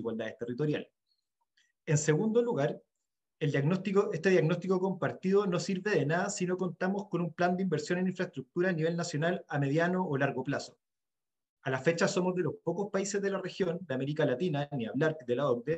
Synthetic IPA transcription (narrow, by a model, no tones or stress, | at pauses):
iɣwald̪aðest̪erit̪o̞ɾja̰le | ense̞ɣund̪o̞luɣaɾ | eld̪anot̪oʔest̪eðjaɣno̞st̪iko̞ko̞mpaɾt̪iðono̞siɾβe̞ðe̞naðasino̞ko̞nt̪amoskonumpland̪eimbeɾsjo̞neniɱfɾaest̪ɾuk̚t̪uɾaːniβe̞lnasjonalame̞ðjanoːlaɾɣoplaso̥ | alafet͡ʃaso̞mozðe̞lo̞spokospaise̞zðelare̞xjo̞nd̪eame̞ɾikalat̪inaniaβlaɾd̪elaoɾd̪e